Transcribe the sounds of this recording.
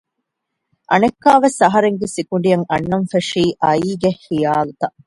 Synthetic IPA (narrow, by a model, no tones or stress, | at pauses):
ʔɐnɐkːaːʋesɐɦɐɾeŋɡesikuɳ̆ɖijɐŋɐnːɐɱfɐʂiːʔɐiːɡehːijaːlut̪ɐ